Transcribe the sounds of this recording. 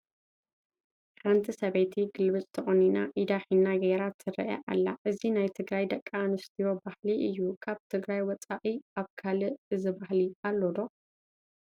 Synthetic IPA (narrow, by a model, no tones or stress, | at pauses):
ħant̪ʰisɐβet̪ʰiɡɨlbɨt͡sʼt̪ʰɐχʼoninaʔid̪aħinːaɡeɾat̪ʰːɨɾɐ̰ʔa̰ʔa̰lːa̰ʔɨzinajt̪ʰɨɡɾajd̪ɐkʼːaːnɨst̪ʰijo̞bahliʔɨjːukʰaβt̪ʰɨɡɾajwɔt͡sʼaʔʼiaβkʰalɨʔɨzɨbahlialːod̪o̞